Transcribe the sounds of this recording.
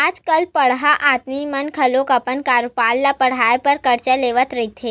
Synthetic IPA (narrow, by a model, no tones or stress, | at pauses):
ad͡ʒkalpəɽɦaʔat̪mimənkʰəlokəpəɳkaɾpalːapəɽ̤ajpəɾkəɾt͡ʃəleʋət̪ɾəjt̪ʰe